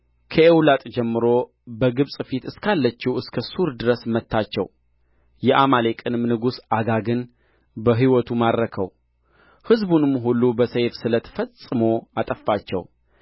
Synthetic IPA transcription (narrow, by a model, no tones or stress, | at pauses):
kʰəewlat̪ʼd͡ʒɛmːɨɾo | bəɡɨβsʼfit̪ɨskʰalːət͡ʃːiwɨskʰəsuɾd̪ɨɾəsmət̪ːat͡ʃːɛ̰w | jɛʔamalekʼɨnɨmnɨɡusaɡaɡɨn | bəɦiwɔt̪ʰumad̪ɾəkʰə̰w | hɨzbunɨmːɦulːubəsəjfsɨlət̪ʰə̥fəsʼːɨmoat̪ʼəfːat͡ʃːɛ̰w